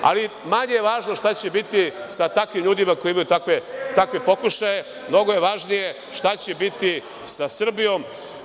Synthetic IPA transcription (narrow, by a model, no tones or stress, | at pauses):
a̰limaɲeje̞ʋaːʒno̞ʃt̪at͡ɕebit̪isat̪akʋimʎuːd̪imako̞jiimajut̪akʋet̪akʋepo̞kuʃaje̞ | mno̞ɡo̞je̞ʋaːʒnije̞ | ʃt̪at͡ɕebit̪i | sasr̩bijo̞m